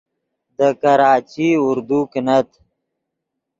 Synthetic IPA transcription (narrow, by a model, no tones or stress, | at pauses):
d̪əkɐɾaːt͡ʃiʊɾd̪uknət̪